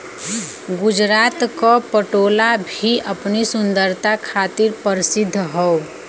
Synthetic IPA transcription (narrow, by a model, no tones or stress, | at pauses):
ɡʊd͡ʒɾaːt̪kopəʈoːlabʱiʔɐpnisʊ̃nd̪əɾt̪akʰaːt̪ɪɾpəɾɪsɪd̪ʱːɦɔo